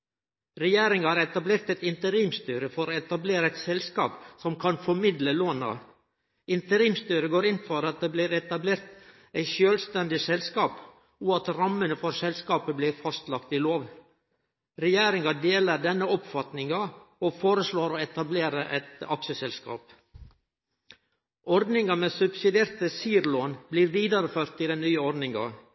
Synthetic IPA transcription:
ɾɛjeːɾɪŋhɑːɾɛt̪ɑbleːɾt̪ɛt̪ɪnt̪əɾiːmst̪yːɾəfɔɾoːɛt̪ɑbleːɾəɛɪt̪sɛlskɑ̰ːpsɔmkʰɑnfɔɾmɪd̪ləloːnɑ̰ | ɪnt̪əɾiːmst̪yːɾəɡoːɾɪnfɔɾɑt̪̚d̪ɛːblɪːɾɛt̪ɑbleːɾt̪ | æɪʃøːlst̪ɛnd̪ɪsɛlskɑːp | ʊɑt̪ɾɑmːənəfɔɾsɛlskɑːpəblɪɾfɑst̪lɑkt̪ɪloːʋ | ɾɛjeːɾɪŋɑd̪eːləɖ̪ɛnːəɔpfɑt̪nɪŋɑofoːɾəsloːɾoːɛt̪ɑbleːɾəʔɛt̪ɑksəsɛlskɑ̰ːp | ɔɾd̪nɪŋɡɑmesʉbsɪd̪eːɾt̪əsiːɾloːnbliːɾʋiːd̪ɑɾəføːɾt̪ɪd̪ɛnnyːəɔɾd̪nɪŋɡɑ̰

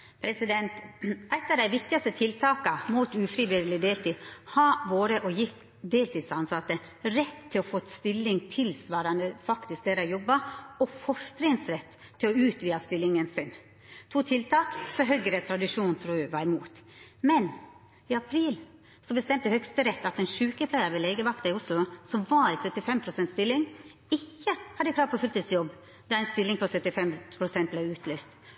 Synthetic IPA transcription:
pʰɾɛsɪd̪ɛnt̪æt̪ːɑd̪æɪʋɪk̚t̪ɪɑst̪ət̪ʰɪlt̪ʰɑːkɑmuːt̪ʉːfɾɪʋɪd̪əlɪd̪eːlt̪iːhɑʋoːɾəʔɔjɪt̪ | d̪eːlt̪ʰiːd̪sɑnsɑt̪ːə | ɾɛt̪ʰːɪlɔfoːt̪st̪ɪlːɪŋt̪ʰɪlsʋɑːɾɑnd̪əfɑkt̪ɪsk̚d̪eːɾəɑjɔbːɑɔfɔʂt̪ɾɪŋsɾɛt̪ʰːɪlɔʉːt̪ʋiːɑst̪ɪlːɪŋənsɪn | t̪ʰuːt̪ʰɪlt̪ʰɑːksɔɦœɡəɾɛt̪ʰɾɑd̪ɪʂuːnnt̪ʰɾuːʋɑɾɪmuːt̪ | mɛn | ɪɑpʰɾiːl | sɔbəst̪ɛmt̪əhœkst̪əɾɛt̪ːɑt̪ɛnʃʉːkəpʰlæɪəɾʋɛlɛːɡəʋɑkt̪ɑɪʊslʊsɔmʋɑɪsœt̪ːɪfɛmpʰɾʊsɛnt̪st̪ɪlːɪŋ | ɪçːəhɑd̪ːəkʰɾɑːpʰɔfʉlt̪ɪsjɔbː | d̪ɑæɪnst̪ɪlːɪŋpʰɔsœt̪ːɪfɛmpʰɾʊsɛnt̪̚blɛɪʉːt̪ʰlyːst̪

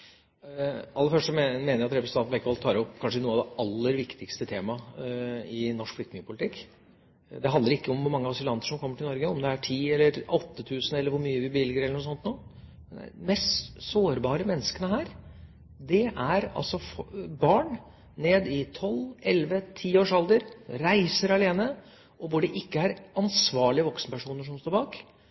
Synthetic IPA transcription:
ʔɑlːəfœʂʈəmeːnəɾɑt̪ɾɛpɾsnɑnbɛkːəʋɑlt̪ʰɑːɾɔpːkʰɑnʂənuːəɑd̪ɛʔɑlːəɾʋɪkt̪ɪkst̪ət̪ʰeːmɑ | ɪnɔʂkflʏktnɪŋəpʰʊlɪt̪ʰɪkː | d̪ɛɦɑnd̪əɾɪkːəɔmʋʊɾmɑŋːəɑsɪlɑnt̪əʂɔmkʰɔmːəʈʰɪlɔɾɡəɔmd̪ɛæʈʰiːɛlːəɾɔt̪ːət̪ʰʉːsən̩ɛlːəɾʋʊɾmyːəʋɪbəʋɪlɡəɾɛləɳʊːsɔnt̪nuː | mɛnd̪æ̰mɛst̪soːɾbɑːɾəmɛnːəskənəhæːɾ | d̪ɛʔæɾɑ̰lsɔfbɑːɳ | neːd̪ɪt̪ʰɔlɛlʋət̪ʰiːoːʂɑld̪əɾɾæɪsəɾɑleːnə | ʔɔʋʊɖɛʔɪkːəæɾɑnsʋɑːɭɪəʋɔksənəpæʂuːnəʂɔmst̪oːɾbɑːk

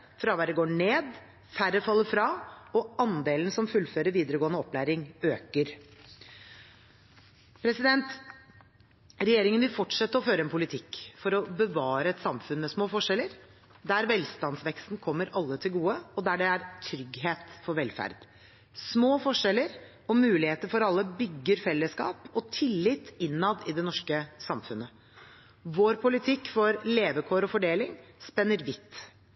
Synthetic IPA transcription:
fɾɑʋæd̪ɛɡoːɳeːd̪ | fæɾəfɑlːəfɾɑɔɑnd̪eːln̩sɔmfʉlːføːɾəɾʋiːd̪əɾəɡoːənəɔpːlæːɾɪŋøːkəɾ | pʰɾɛsɪd̪ɛnt̪ | ɾɛjeːɾɪŋənʋɪlfɔʈʂɛt̪ːəɔføːɾəɛnpʰʊlɪt̪ʰɪkːfɔɾɔbəʋɑːɾəɛt̪sɑmfʉnmɛsmoːfɔʂɛlːəɾ | d̪æɾʋɛlst̪ɑnsʋɛkst̪n̩kʰɔmːəɾɑlːət̪ʰɪlɡuːəɔd̪æɖɛæɾt̪ʰɾʏɡɦeːt̪fɔɾʋɛlfæ̰ɾd̪̥ | smoːfɔʂɛləɾ | ɔmʉːlɪheːt̪əɾfɔɾɑlːəbʏɡːəɾfɛlːəskɑ̰ːpɔt̪ʰɪlːɪt̪ːɪnːɑd̪ɪd̪ɛnɔʂkəsɑmfʉnə | ʋoːɾpʰʊlɪt̪ʰɪkːfɔɾleːʋəkʰoːɾɔfɔɖeːlɪŋspɛnːəɾʋɪt̪ː

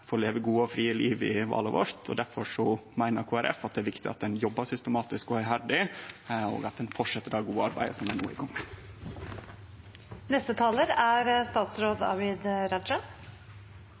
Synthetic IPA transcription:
foːɾleːʋəɡuːəɔfɾiːəliːʋɪ̰ʋɑ̰ːləʋɔ̰ɾt̪ʰɔ̰d̪æɾfɔʂɔmæɪnəɾkʰuːæɾʔɛ̰fɑt̪̚d̪ɛæɾʋɪkt̪ɪɑt̪̚d̪ɛnjɔbːəsʏst̪əmɑːt̪ɪskɔhœʏhæɖɪ | o̰ːɡɑt̪̚d̪ɛnfɔʂɛt̪ːəɾɑːɡuːəɑɾbæ̰ɪəsɔmd̪ænṵːɪ̰ɡɔŋːə | nɛst̪ət̪ʰɑːləɾæɾst̪ɑːt̪sɾoːd̪ɑ̰ʋɪd̪ɾɑʃə

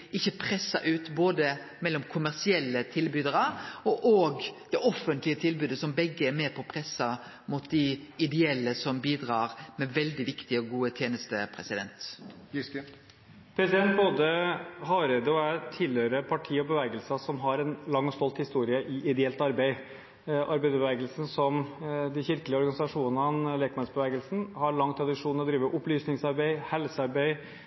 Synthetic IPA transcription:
ɪçːəpʰɾɛsːɑ̰ʔʉːt̪boːd̪əmɛlːɔmkʰʊmæɾsɪɛlːət̪ʰɪlbyːd̪əɾəɔʔoːɡd̪̥ɛʔɔfːənt̪lɪət̪ʰɪlbʉːd̪əsɔmbɛɡːəæɾmeːpʰɔpʰɾɛsːɑ | mʊt̪̚d̪ɪɪd̪ɛɛlːəsɔmbiːd̪ɾɑːɾmɛʋɛld̪ɪʋɪkt̪ɪəɔɡuːət̪ʰjeːnəst̪əpʰɾɛ̰sɪd̪ɛ̰nt̪ | pʰɾɛsɪd̪ɛnt̪boːd̪əɦɑːɾɛd̪əɔæt̪ʰɪlhøːɾəpʰɑʈʰiːɔbəʋɛːɡəlsɑsɔmɦɑɾɛnlɑŋːɔst̪ɔlt̪hɪst̪uːɾɪəʔɪʔɪd̪ɛɛlt̪ɑɾbeɪ | ʔɑɾbeɪd̪bəʋɛːɡəlsn̩sɔmd̪ɪçɪɾkəlɪəɔɾɡɑnɪsɑʂuːnənleːkmɑnsbəʋɛːɡəlsn̩hɑɾɭɑŋːt̪ʰɾɑd̪ɪʂuːnəɾɔd̪ɾiːʋəɾʔʊplyːsnɪŋsɑɾbeɪhɛlsəɑɾbeɪ

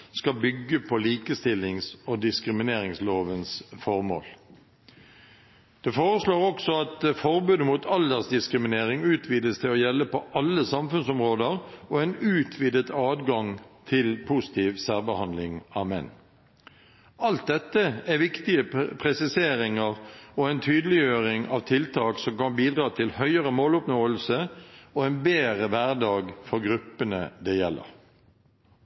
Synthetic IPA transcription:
skɑbʏɡːəpʰɔliːkəst̪ɪlɪŋsoːd̪ɪskɾɪmɪneːɾɪŋsloːʋənsfɔʁmo̰ːl | d̪̥ɛːfoːɾəsloːʁɔksɔɑt̪fɔʁbʉːd̪əmuːt̪ʰɑld̪əʁsd̪ɪskɾɪmɪneːʁɪŋʉːt̪ʰʋiːd̪əst̪ʰɪlɔjɛlːəpɔʔɑlːəsɑmfʉnsɔmʁoːd̪əʁoɛːnʉːt̪ʰʋiːd̪ət̪ɑːd̪ɡɑŋt̪ʰɪlpʰuːsɪ̥t̪ʰiːʋsæʁbəhɑnd̪lɪŋɑmɛ̰nː | ɑlt̪̚d̪ɛt̪ːəæʋɪkt̪ɪəpʰʁɛsɪseːɾɪŋəʁɔɛɪnt̪ʰyːd̪əlɪjøːʁɪŋɑʋt̪ʰɪlt̪ʰɑːksɔmkɑnbiːd̪ʁɑːt̪ʰɪlhœʏəʁəmoːlʊpnoːəlsəɔɛnbeːʁəʋæʁd̪ɑːɡfɔʁɡʁʉpːənəd̪ɛjɛlːə̰ʁ

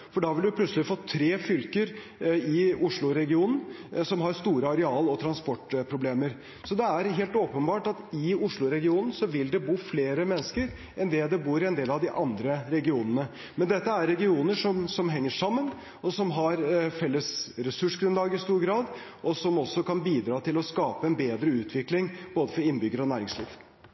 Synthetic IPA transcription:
fɔɖɑʋɪld̪ʊpʰlʉt̪səlɪfɔt̪ʰːɾeːfʏlkəɾ | ɪʊʂɭʊɾɛɡɪuːnn̩sɔmɦɑɾst̪uːɾəɑɾɛɑːlɔt̪ʰɾɑnspɔʈpʰɾʊbleːməɾ | sɔd̪ɛæɾɦeːlt̪oːpənbɑːʈɑt̪ɪʊʂɭʊɾɛɡɪuːnn̩sɔʋɪld̪ɛbuːfleːɾəmɛnːəskəɾ | ɛnd̪ɛːd̪ɛbuːɾɪɛnd̪eːlɑʋd̪ɪʔɑnd̪ɾəɾɛɡɪuːnənə | mɛnd̪ɛt̪ːəæɾːɛɡɪuːnəʂɔmsɔmɦɛŋːəʂɑmːən | ɔsɔmɦɑɾfɛlːəsɾɛsʉʂɡɾʉnlɑːɡəɪst̪uːɾɡɾɑːd̪ | ʔɔsɔmɔsːɔkɑnbiːd̪ɾɑːt̪ʰɪlɔskɑːpəɛnbeːd̪ɾəʉːt̪ʰʋɪklɪŋb̥oːd̪əfɔɾɪnːbʏɡːəɾɔnæːɾɪŋslḭːʋ

